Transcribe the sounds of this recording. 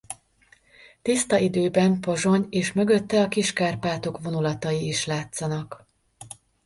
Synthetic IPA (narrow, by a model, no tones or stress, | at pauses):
t̪ist̪ɒid̪øːbɛmpo̞ʒo̞ɲeːʃmø̞ɡø̞t̪ːɛɒkiʃkaːrpaːt̪o̞kʋo̞nulɒt̪ɒjiːʃlaːt̪sɒnɒk